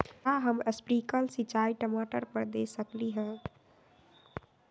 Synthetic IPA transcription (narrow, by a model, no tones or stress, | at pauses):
aɦəməspɾikəlsit͡ʃaiʈəmaʈəɾpəɾd̪esəkliɦə̃